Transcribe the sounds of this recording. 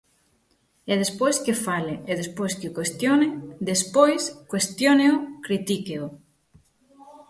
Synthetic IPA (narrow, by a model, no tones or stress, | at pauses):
eð̞espojskefaleeðespojskeokwest̪joned̪espojskwest̪joneʊkɾit̪ikeo